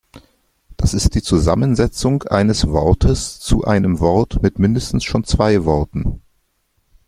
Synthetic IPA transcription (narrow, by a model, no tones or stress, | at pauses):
d̥asɪstd̥iːt͡suza̰mənzɛt͡sʊŋʔa̰ɪnəsv̥ɔɐtʰəst͡suʔa̰ɪnəmvɔɐtmɪtmɪndəstn̩sʃoːnt͡sv̥aɪvɔɐtn̩